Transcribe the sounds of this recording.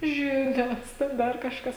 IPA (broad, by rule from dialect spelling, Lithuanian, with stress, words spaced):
ˈʒʲɪnʲoːs ˈtʲɛn ˈdɐr kɐʃˈkɐs